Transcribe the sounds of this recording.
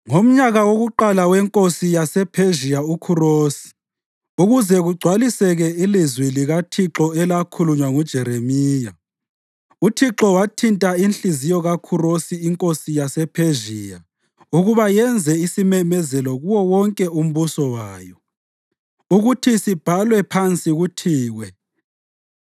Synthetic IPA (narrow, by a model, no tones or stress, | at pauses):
ŋom̩ɲaɣawoɣuǃalawɛŋkʼosijasɛpʰeʒiaukʰuroːsi̥ | uɣuzɛɣuɡ͡ǀʱwalisɛɣɛilizwiliɣatʰiǁɔɛlakʰuluɲwaŋud̥ʒ̥ʱɛɾemiːja | utʰiǁɔwatʰintʼainɬʼizijɔɣakʰurosiːŋkʼosijasɛpʰeʒiːja | uɣuβajɛnd͡zʱɛisimɛmɛzɛlɔɣuwɔwɔŋkʼɛum̩βusɔwaːjɔ | uɣutʰisib̥ʱalwɛpʰant͡sʼiɣutʰiːɣwɛ